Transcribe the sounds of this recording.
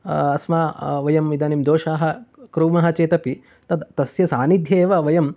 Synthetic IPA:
ɐsmaːʋɐjɐmid̪ɐːnimd̪oːʃaːɦɐ̆kɾuːmɐɦɐ̆t͡ʃeːt̪ɐpi | t̪ɐd̪t̪ɐsjɐsaːnid̪ʱjeːʋɐʋɐjɐm

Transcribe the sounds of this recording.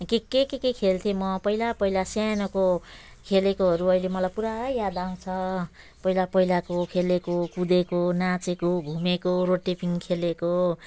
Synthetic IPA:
kekekekekʰelt̪ʰemʌpʌilapʌilasjanʌko | kʰelekoɦʌɾuʌjlemʌlajpuɾajjad̪aw̃t͡sʰʌ | pʌilapʌilakokʰelekokud̪ekonat͡sekoɡʱumekoroʈepiŋkʰeleko

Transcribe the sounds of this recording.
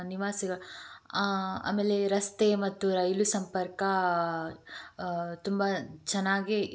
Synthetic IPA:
niʋaːsiɡɐɭ | a̰ːmeːleɾɐst̪emɐt̪ːuɾɐjlusɐmpɐɾkɐ | t̪umbat͡ʃɐnːaːɡi

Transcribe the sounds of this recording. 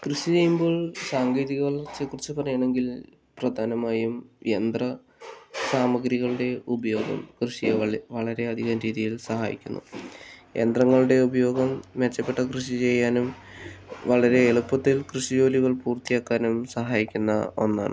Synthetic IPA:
krɨɕit͡ɕe̞jːumbo̞ːɭsaːŋɡiːðiɣɐʋɐɭɐrt͡ɕːɨkːurit͡ɕːɨpɐrɐjaɳe̞ŋɡil | prɐd̪ʱaːnɐmaːjumend̪rɐ | saːmɐɡɾiɣɐɭuɽe̞ubɐjo̞ːɡɐ̰mkrɨɕijeʋɐɭɐɾe̞ɐd̪ʱiɣaːnɾiːðijilsɐɦa̰ːjḭkʲːunːṵ | e̞̰nd̪rɐŋːɐɭuɽe̞ubɐjo̞ːɡɐmːet͡ɕːɐpːe̞ʈːɐkrɨɕit͡ɕe̞jːaːnum | ʋɐɭɐɾe̞ːɭupːɐt̪ːilkrɨɕid͡ʑo̞ːliɣɐɭpuːrt̪ijaːkːaːnumsɐɦaːjikʲːunːɐo̞̰nːa̰ːɳɨ̰

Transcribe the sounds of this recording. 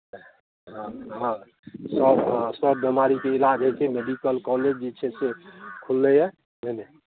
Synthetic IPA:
ɦãɦã | səbsəbːemaɾikeilad͡ʒɦət͡ʃʰɛmeɖikəlkɔled͡ʒd͡ʒet͡ʃʰɛsekʰulːɛjɛ | mene

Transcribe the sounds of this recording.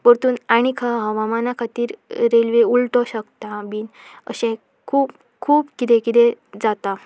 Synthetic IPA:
pəɾt̪uːnaɽ̃ikʰaɦəʋamanakʰat̪iːɾɾelʋeulʈɔɕəkt̪ãbiːnə̰ɕɛ̃ | kʰuːp | kʰuːbkit̪ɛ̃kit̪ɛ̃d͡zat̪a

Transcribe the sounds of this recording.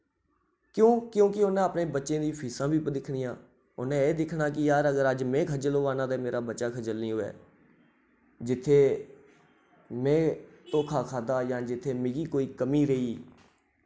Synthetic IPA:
kjõːkjõːkɪʊnẽaːpnẽːbətːʃẽːd̪iːpʰiːsãːbʱiːpəd̪ɪkʰɽiːãː | ʊnẽːeːd̪ɪkʰnaːkɪjaːɾəɡəɾəd͡ʒmɛ̃ːkʰəd͡ʒəloːʋaːnãːd̪eːmeːɾaːbətːʃaːkʰəd͡ʒəlniːɦoːɛ̰ː | d͡ʒɪt̪ʰːeː | mɛ̃ːt̪õːkʰaːkʰaːd̪aːjãːd͡ʒɪt̪ʰːeːmɪ̃ɡiːkoːiːkəmiːɾəiː

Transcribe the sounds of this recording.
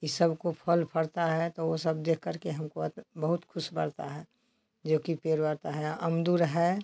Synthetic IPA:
isəbkopʰəlpʰəɽt̪aɦɛt̪oosəb̚d̪eːkʰːəɾkeɦɐmkoət̪bəɦʊt̪kʰʊʃbəɽt̪a̰ɦɛ | d͡ʒoːkipeːɾbəɾt̪aɦɛəmd̪uːɾɦɛ

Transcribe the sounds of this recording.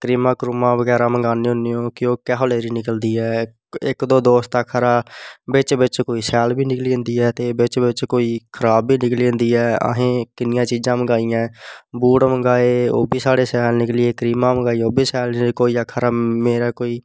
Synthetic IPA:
kɾiːmãːkɾʊmãːbəɡɛːɾaːməŋɡaːneːɦʊneːõːkɪjõːkɛːɦoːleːɾiːnɪkəld̪iːɛː | ɪkd̪õːd̪oːst̪aːkʰːaɾaːbɪt͡ʃbɪt͡ʃkoːiːsɛːlbiːnɪklĩːnd̪iːɛːt̪eːbɪt͡ʃbɪt͡ʃkoːiːkʰəɾaːbːiːnɪklĩːnd̪iːɛːə̰ɦẽːkɪnɪjãːt͡ʃiːd͡ʒãːməɡaːijãːbuːɽʈməŋɡaːeːo̰ːbʱiːsaːɽeːsɛːlnɪklɪːeːkɾiːmãːməɡaːiːoːbʱiːsɛːlkoːiːəkʰːəɾaːmeːɾaːkoːiː

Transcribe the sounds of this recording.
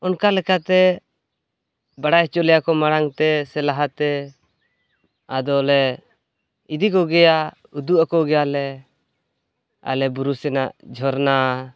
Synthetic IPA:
ɔnkalɛkat̪ɛ | baɽajt͡ʃɔlɛjakɔmaɽaŋt̪ɛsɛlaɦat̪ɛ | ad̪ɔlɛ | id̪ikɔɡɛja | ud̪uʔakɔɡɛjalɛ | a̰lɛbuɾusɛnaʔd͡ʒʱɔɾna

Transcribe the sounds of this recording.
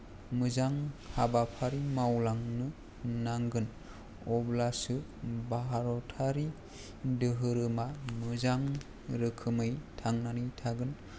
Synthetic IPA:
mɯzaŋhabapʰaɾimawlaŋnɯ | naŋɡɯn | ɔblasɯ | baɦaɾɔtʰaɾi | dɯɦɯɾɯmamɯzaŋ | ɾɯkʰɯmɯjtʰaŋnanitʰaɡɯn

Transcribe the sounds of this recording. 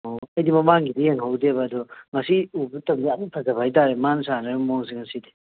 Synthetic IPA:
oɐjdimɐmaŋɡidijeŋɦawdebɐːdɔmɐsiubutɐmianitʰaɡɐbahajtaɾemansanabmoŋs̬iŋɐside

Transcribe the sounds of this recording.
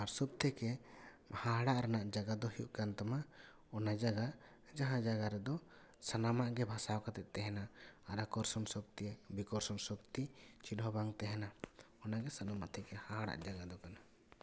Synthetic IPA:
aɾsɔb̚t̪ʰɛkɛ | haɦaɽaʔɾanaʔd͡ʒaɡad̪ɔhiṵʔkant̪ama | ɔnad͡ʒaɡa | d͡ʒaɦãd͡ʒaɡaɾɛd̪ɔ | sanamaʔɡɛbʱasawkat̪ɛʔ̚t̪ɛɦɛnaaɾakɔɾsɔnsɔk̚t̪iɛbikɔɾsɔnsɔkt̪it͡ʃinɦɔbaŋt̪ɛɦɛna | ɔnaɡɛsanamaʔt̪ʰɛkɛhaɦaɽa̰ʔd͡ʒaɡad̪ɔkana

